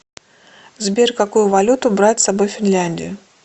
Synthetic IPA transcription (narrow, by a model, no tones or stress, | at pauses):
zbʲerʲkɐkujʊvɐlʲut̪ʊbɾatʲsɐbo̞jfʲɪnlʲanʲdʲɪ̰jʊ